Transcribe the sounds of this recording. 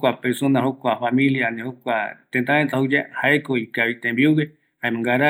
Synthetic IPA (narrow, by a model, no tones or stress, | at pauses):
kʷapeɾsonahokʷafamĩljanehokʷat̪ent̪aent̪ahud͡ʒahaekoikaβit̪embiuɡe | haẽmãŋɡaɾa